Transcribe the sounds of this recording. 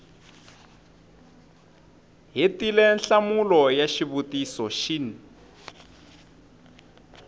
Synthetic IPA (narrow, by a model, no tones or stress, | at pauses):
ɦetilɛnɬamulɔjaʃiβutisɔʃini